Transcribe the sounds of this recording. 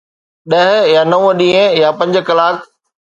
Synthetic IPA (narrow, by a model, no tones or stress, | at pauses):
ɗɐɦjaːnɐʋɗĩːə̃japɐ̃ɲd͡ʑ̆kɐlaːk